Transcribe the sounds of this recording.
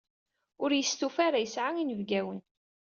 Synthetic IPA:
ʊɾjəst̪ufaɾajəsʕainəvɡæwən

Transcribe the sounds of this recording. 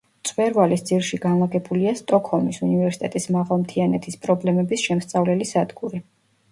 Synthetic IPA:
t̪sʼvɛɾvalisd̪z̥ilʃiɡanlˠaɡɛbuliast̪ʼɔkʰhɔlˠmisunivɛɾsit̪ʼɛt̪ʼismaʁalˠmt̪ʰianɛt̪ʰispʼɾɔblɛmɛbisʃɛmst̪sʼavlɛlisad̪ɡuɾi

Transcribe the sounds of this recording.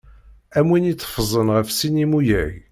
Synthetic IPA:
æmwinit͡sːə̥fəzˤənʁəfsinimujæʝ

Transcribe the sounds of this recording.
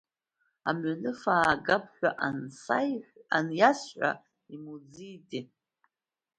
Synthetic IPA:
a̰mɥanɨfaːɡap̚ʰħʷᶣaʔansaanjasħʷa̰ | imud͡zidʼi

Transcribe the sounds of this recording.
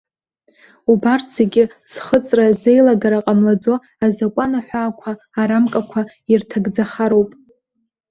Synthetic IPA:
ubarʰz̥eɡʲɪ | z̥χət͡sʼrazejlaɡaɾaqʼamlad͡zo̞ | azakʷʼanaħʷaːkʷʰaːɾamkʼakʷʰa | irtʰaɡd͡zaχaɾo̞wpʼ

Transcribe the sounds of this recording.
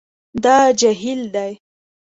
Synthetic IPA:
d̪ɑd͡ʒaɦild̪aj

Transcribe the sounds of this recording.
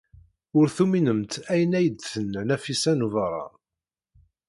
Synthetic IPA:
ʊɾθuminəmt̪æjənæjəd̪θənːænæfisænuvəɾˤɑ̰

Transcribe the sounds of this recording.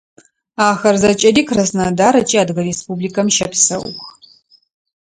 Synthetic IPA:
aːxɐrzɐt͡ʃʼɐdiːkʰrɐsnadaːɾɐt͡ʃʼiːaːdɣɐɾespubliːkɐmʃɐpsɐ̰w̰x

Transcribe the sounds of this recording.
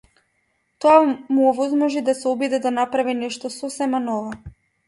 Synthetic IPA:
t̪oamuɔvɔzmɔʒid̪asɛɔbid̪ɛd̪anapɾavinɛʃt̪ɔsɔsɛmanɔvɔ

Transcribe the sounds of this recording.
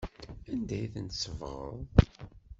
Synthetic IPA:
ænd̪æjiθənt̪səvʁə̰ðˤ

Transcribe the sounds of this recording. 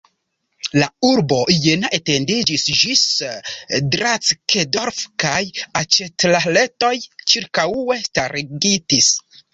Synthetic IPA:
lauɾbo̞ʔjenaʔete̞ndid͡ʒisd͡ʒis | dɾat͡skedoɾfkajat͡ʃetlale̞to̞jt͡ʃiɾkaue̞staɾiɡitis

